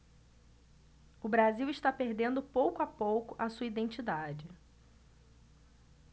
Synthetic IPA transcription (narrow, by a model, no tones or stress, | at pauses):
ʊbɾaziwɪʃt̪apeɾd̪ẽnd̪ʊpowkʊapowkʊʔɐsuɐid̪ẽnt͡ʃid̪ad͡ʒɪ